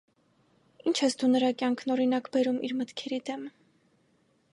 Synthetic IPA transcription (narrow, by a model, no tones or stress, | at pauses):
int͡ʃʰɛsd̪unəɾɑkjɑŋkʰnɔɾinɑkbɛɾumʔḭɾmət̪kʰɛɾid̪ɛm